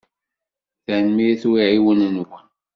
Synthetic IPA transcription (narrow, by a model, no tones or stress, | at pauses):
θænmiθwiʕiwənnwən